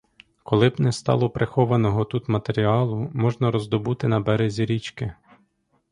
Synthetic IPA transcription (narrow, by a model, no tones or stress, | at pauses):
kɔlˠɪbnɛst̪ɑ̰lˠɔpɾʔexɔʋɐnɔɦɔt̪ut̪mɐt̪eɾʲiɑlˠʊmɔʒnɐɾɔzd̪ɔbut̪ɪnɐbɛɾezʲiɾʲit͡ʃkɪ